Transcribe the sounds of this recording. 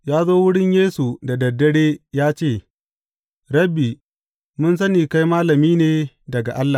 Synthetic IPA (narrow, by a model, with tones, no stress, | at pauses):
jaː˦zoː˦wʊ˦ɽɪ˦ɲjeː˦su˨da˨dɐ˨dːɐ˦ɽeː˦jaː˦t͡ʃeː˦˨ | ɽɐ˦bi˨ | mʊ˦ns̬ɐ˦niː˨ka˦jmaː˦lɐ˨miː˦neː˨ | dɐ˨ɡa˨ʔa˦lːa˨